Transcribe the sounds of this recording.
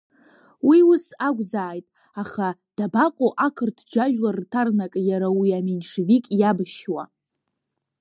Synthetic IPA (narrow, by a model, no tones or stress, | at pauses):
wiwʊsaɡʷzaːjtʼ | aχad̥abaqʼoʔakʰɨrtʰd͡ʒaʒᶣlartʰarnakʼjaɾawiaminʂvikʼjabɨʃwa̰